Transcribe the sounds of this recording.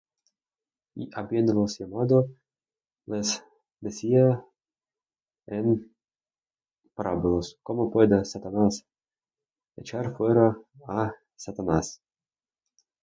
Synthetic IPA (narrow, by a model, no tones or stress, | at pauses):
ḭʔabjenlosjamad̪o | les | d̪esʲia | en | paɾabuloskomopwed̪asat̪anas | et͡ʃaɾfweɾaː | sat̪anas